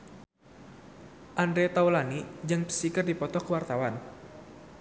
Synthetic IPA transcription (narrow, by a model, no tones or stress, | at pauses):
ʔandɾɛt̪auwlanid͡ʒɨŋpə̥sikərdipɔt̪ɔkəwart̪awan